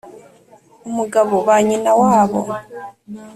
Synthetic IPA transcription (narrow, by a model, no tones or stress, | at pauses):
umuɡaβoβaɲinawaːβo̰